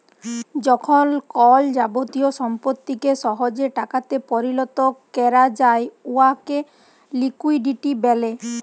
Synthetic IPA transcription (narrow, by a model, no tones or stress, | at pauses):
d͡ʒɔkʰɔnkɔld͡ʒabot̪ijosɔmpɔt̪ːikesɔɦod͡ʒeʈakat̪epɔɾilɔt̪ɔkɛɾad͡ʒaeuake | likujɖiʈibɛle